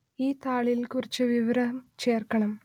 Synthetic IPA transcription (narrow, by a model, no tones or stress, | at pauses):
iːt̪aːɭilkurit͡ɕːɨʋiʋɐɾɐt͡ɕe̞ːrkɐɳɐm